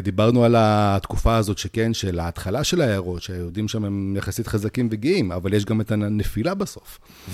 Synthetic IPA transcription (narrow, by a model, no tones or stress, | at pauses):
d̪ibaʁnualat̪kufaːzo̞tʃekenʃelaːtχalaʃe̞laeaʁo̞tʃeajeudimʃamemjaχasit̪χazakimveɡiima̰valjeʃ̬ɡame̞t̪anefilabaso̞f | v